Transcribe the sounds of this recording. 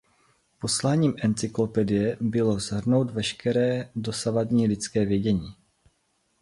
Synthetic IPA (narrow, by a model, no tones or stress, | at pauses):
po̞slaːɲiːmʔɛnt͡sɪklo̞pɛdɪjɛbɪlo̞zɦr̩no̞wt̪vɛʃkɛɾɛːdo̞savadɲiːlɪt͡skɛːvjɛɟɛɲiː